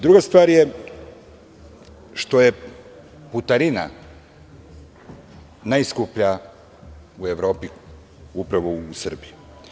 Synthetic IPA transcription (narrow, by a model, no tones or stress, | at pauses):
d̪ɾuɡast̪ʋaːɾje | ʃt̪o̞je | put̪aɾina̰ | naiskupʎa | ueʋɾo̞ːpi | upɾaʋoːsr̩biju